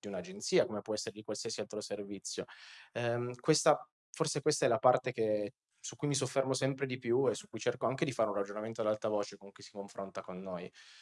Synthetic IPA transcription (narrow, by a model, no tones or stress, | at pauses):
d̪iunad͡ʒent̪siːakomepwɔɛsːeɾed̪ikwalsiasialt̪ɾoservit̪sːjoɛkwest̪a | forsekwest̪aɛlapart̪eke | sukːujmis̬ofːɛrmosɛmpɾed̪ipjuesukːujt͡ʃerkoaŋk̟ed̪ifaɾeũnrad͡ʒonament̪oad̪alt̪ɾavoːt͡ʃekoŋkujsi̥koɱfɾont̪akonːoj